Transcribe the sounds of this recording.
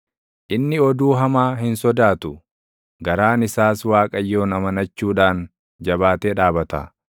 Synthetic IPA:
ʔɪnːɪɔd̪uːɦɐmaːɦɪnsɔd̪aːt̪ʊ | ɡɐɾaːnɪsaːswaːkʼɐjːo̞ːnɐmɐnɐt͡ʃːuːᶑaːn | d͡ʒɐbaːt̪eːᶑaːbɐt̪a̰ː

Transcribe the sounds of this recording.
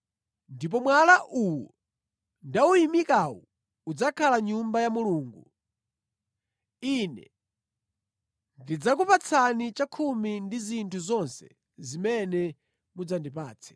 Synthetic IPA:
ndip̬ɔmwalaʔuwɔ | ndaujimikawɔ̰ | ud͡zakʰalaɲumbajamuluːŋɡu | inɛ̰ | ndid͡zak̬upat͡sʰanit͡ʃakʰumindizintʰuzɔnsɛ̥̰ | zimɛnɛ | mud͡zandipaːt͡sʰɛ̥

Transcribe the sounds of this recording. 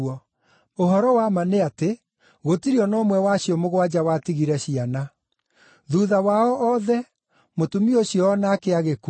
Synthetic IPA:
ɔ | oɦɔɾɔwamaneate | ɣotiɾiɔnɔmwɛwaɕiɔmoɣwad͡ʑawatiɣiɾɛɕiana | ðuðawaɔʔɔðɛ | motumioɕiɔːnaːkeaɣeku

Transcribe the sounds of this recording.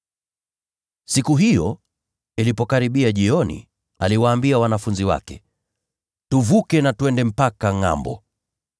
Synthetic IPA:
sikuɦijɔ | ilipɔkaɾiɓiaʄiɔnḭ | aliwaːmbiawanafunziwa̰kɛ | tuvukɛnatuɛndɛm̩pakaŋa̰mbɔ̰

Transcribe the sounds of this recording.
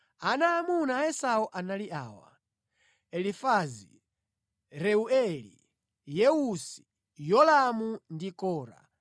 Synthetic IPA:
anaːmunaɛsaɔʔanaliʔaːwa̰ | ɛlifazi | ɾɛuɛlḭ | jɛusi̥ | jɔlamundikɔːɾa̰

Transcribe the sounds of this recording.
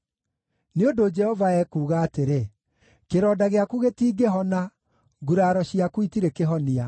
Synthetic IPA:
neondod͡ʒɛhɔvaɛkuːɣaːteɾe | keɾɔːdaɣeakuɣetiːɡeɦɔna | ɡuɾaːɾɔɕiakuitiɾekeɦɔnia

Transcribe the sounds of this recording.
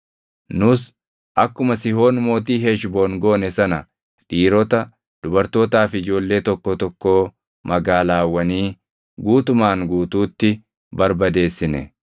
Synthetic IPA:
nʊs | ʔɐkːʊmɐsɪho̞ːnmo̞ːt̪̬iːɦɛʃboːnɡoːnɛsɐnɐ | ᶑiːɾɔt̪ɐ | d̪̥ʊbɐɾt̪o̞ːt̪aːfɪd͡ʒo̞ːlːe̞ːt̪ɔkːɔt̪ɔkːoː | mɐɡaːlaːwːɐniː | ɡuːt̪ʊmaːŋɡuːt̪uːt̪ːɪ | bɐɾbɐd̪e̞ːsːɪnɛ̰

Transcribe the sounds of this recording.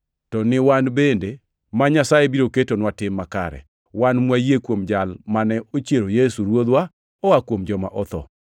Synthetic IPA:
tɔnɪwanbende | maɲasajebiɾoketonwatɪmːaka̰ɾɛ̰ | wanmwajekwomd͡ʒalmanɛot͡ʃjeɾojesuɾwod̪wa | ɔwakwomd͡ʒɔmaʔɔt̪ɔ̰

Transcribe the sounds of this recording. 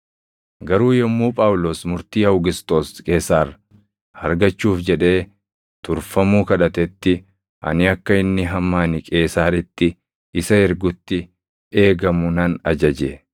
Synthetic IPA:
ɡɐɾuːjɛmːuːpʼaːwʊloːsmʊɾt̪iːhɐwɡɪst̪ʼo̞ːskʼe̞ːsːaːrɐ | hɐɾɡɐt͡ʃːuːfd͡ʒɛᶑe̞ː | t̪ʊɾfɐmuːkɐᶑɐt̪ɛt̪ːɪ | ʔɐ̰nɪɐkːɐɪnːɪɦɐmːaːnɪkʼe̞ːsaːɾɪt̪ːɪ | ɪsɐɛɾɡʊt̪ːɪ | e̞ːɡɐmʊnɐnɐd͡ʒɐd͡ʒeː

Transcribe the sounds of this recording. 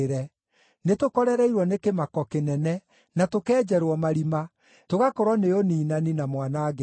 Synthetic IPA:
ɾɛ | netokɔɾɛɾɛiɾwɔnekemakɔkenɛnɛ | natokɛːd͡ʒɛɾwɔmaɾima | toɣakoɾɔneoniːnaninamwanaːɣɛ

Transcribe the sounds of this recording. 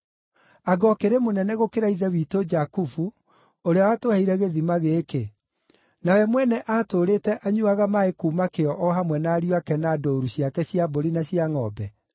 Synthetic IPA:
aɡɔkeɾemonɛnɛɣokeɾaiðɛwiːtod͡ʒakufu | oɾeawatohaiɾɛɣeðimaɣeke | nawɛmwɛnɛʔaːtoːɾeːtɛʔaɲuaɣamaekuːmakeɔʔɔɦamwɛnaːɾiwakɛnadoːɾuɕjakɛɕjaboɾinaɕjaŋɔ̰bɛ

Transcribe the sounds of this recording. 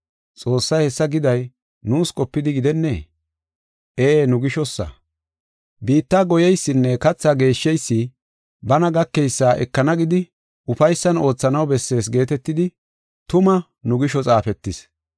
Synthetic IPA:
t͡sʼo̞ːsːɐjhɛsːɐɡɪd̪ɐj | nuːskʼɔpːɪd̪ɪɡɪd̪ɛnːe̞ː | eːnʊɡɪʃɔsːɐ̰ | biːt̪ːaːɡɔjɛjsːɪnːɛkɐt͡sːaːɡe̞ːʃːɛjsːɪ | bɐnɐɡɐkːɛjsːaːʔɛ̰kːɐnɐɡɪd̪ɪ | ʔʊfɐjsːɐno̞ːt͡sːɐnɐwbɛsːe̞ːsɡe̞ːt̪ɛt̪ːɪd̪ɪ | t̪ʊmɐ | nʊɡɪʃɔt͡sʼaːfɛt̪ːɪs

